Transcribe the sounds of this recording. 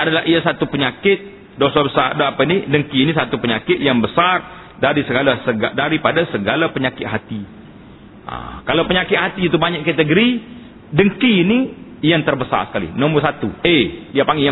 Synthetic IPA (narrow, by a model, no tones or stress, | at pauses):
adalahʔiasat̪upəɲakɪt̪̚ | dosabəsardoapainidəŋkiːnisat̪upəɲakɪt̪̚jaŋbəsar | daɾisəɡalasəɡadaɾipadasəɡalapəɲakɪt̪̚ɦat̪i | ʔa̰kalawpəɲakɪt̪̚hat̪iːt̪ubaɲakkat̪əɡəɾi | dəŋkiːni | jaŋt̪ərbəsa̰rsə̥kalḭnɔmbərs̬at̪uediapaŋia